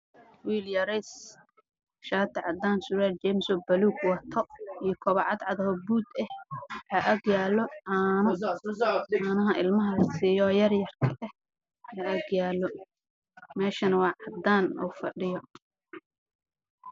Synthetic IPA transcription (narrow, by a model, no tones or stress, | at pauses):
wiːljɐɾɛs | ʃaːt̪ʰɛʕɑd̪aːnsʊɾɛːlt͡ʃɛmsɔbɐluːɡwɑt̪ʰɔijɔkʰɔβɑʕɑd̪ʕɑðɐhɔbuːd̪ɛhhɐʔɐɡjaːlɔʕaːnɐ | anɐɦɐʔɪlmɐɦɐsijɔːjɐrjɐrkʰɐʔɛh | ɐʔɐɡjaːlɔ | mɛːʃɐnɐwɑːʕɑd̪aːnɔ̰fɐɖɪjɔ